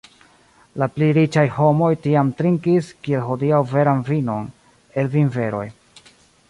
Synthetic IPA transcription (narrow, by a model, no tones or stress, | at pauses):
lapliɾit͡ʃajho̞mo̞jtiamtɾiŋkiskie̞lɦo̞diawve̞ɾanvino̞n | e̞lvinve̞ɾo̞̰j